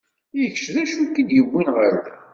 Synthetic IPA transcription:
jəçʃðæʃukːid̪jəwːinʁəl

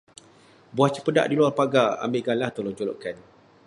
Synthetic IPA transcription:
buaht͡ʃəpəda̰ʔdiluarpaɡaa̰mbeʔɡalaht̪oloŋt͡ʃolɔ̰ʔkan

